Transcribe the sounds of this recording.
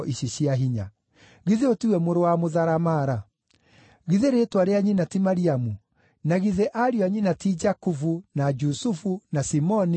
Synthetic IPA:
ʔiɕiɕiaɦiɲa | ɣiðeotiwɛmoɾowamoðaɾamaːɾa | ɣiðeɾetwaɾeaɲinatimaɾiamu | naɣiðeʔaɾiɔaɲinatid͡ʒakufunad͡ʒusufunasimɔni

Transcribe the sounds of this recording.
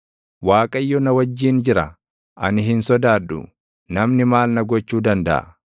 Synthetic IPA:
waːkʼɐjːɔnɐwɐd͡ʒːiːnd͡ʒɪɾɐ | ʔɐ̰nɪɦɪnsɔd̪aːd̪ːʊ̰ | nɐmnɪmaːlnɐɡɔt͡ʃːuːd̪ɐnd̪ɐ̰ʔɐ̰

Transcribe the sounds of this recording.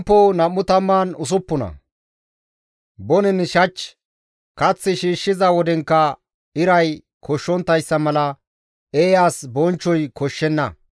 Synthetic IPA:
pːonɐmːʊt̪ɐmːaːnʊs̬ʊpːʊnɐ̰ | bɔnɪnɪʃɐt͡ʃː | kɐt͡sːɪʃiːʃːɪzɐwɔd̪ɛŋkːɐ | ɪɾɐj | kʰɔʃːɔnt̪ːɐjsːɐmɐlɐ | eːjaːsbɔnt͡ʃːɔjkɔʃːɛnːɐ

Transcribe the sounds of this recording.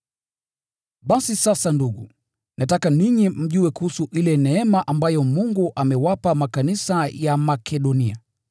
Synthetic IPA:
ɓasisasanduɠṵ | natakaniɲim̩ʄuwɛkuhusuʔilɛnɛɛmaʔambajɔmuŋɡuʔamɛwapamakanisajamakʰɛɗɔnia

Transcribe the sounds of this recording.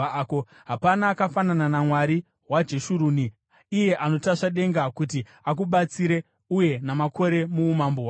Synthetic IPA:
ko | ɦapanaːkafanananamwaɾi | wad͡ʒe̞ʃuɾuːni | ije̞ʔano̞taʂaɗe̞ŋɡakuti | ak̬uɓat͡siɾe̞ | uje̞namakʰo̞ɾe̞muːmamboa

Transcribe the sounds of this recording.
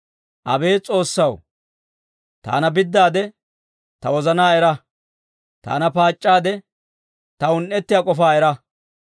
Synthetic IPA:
ʔɐ̰be̞ːt͡sʼo̞ːsːɐw | t̪a̰ːnɐbɪd̪ːaːd̪ɛ | t̪ɐwɔzɐnaːɛɾɐ | t̪a̰ːnɐpaːt͡ʃʼːaːd̪ɛ | t̪ɐʊnʔɛt̪ːɪjakʼɔfaːɛɾɐ

